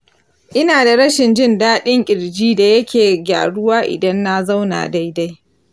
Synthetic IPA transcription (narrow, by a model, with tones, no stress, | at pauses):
ʔɪ˦naː˨da˨ɽɐ˦ʃɪ˨nd͡ʒɪ˦ndaː˦ɗɪ˦ŋkʲʼɪ˨ɽd͡ʒiː˦da˨jɐ˦kʲeː˨ɡʲa̰ː˨ɽʊ˦waː˦ʔɪ̰˨dɐ˦nːa˦za˦wna̰ː˨da˦jda˦j